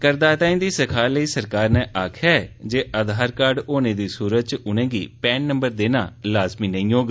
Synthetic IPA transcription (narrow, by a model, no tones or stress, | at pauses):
kəɾd̪aːt̪aːĩːd̪iːsəkʰaːləiːsəɾkaːɾnẽːʔaːkʰjaːɛd͡ʒeːʔəd̪ɦaːɾkaːɾɖoːnẽːd̪iːsuːɾəd͡ʒt͡ʃʊnẽːɡḭːpɛːnːəmbəɾd̪eːnã̰ːlaːzmiːnə̃ĩːoːɡ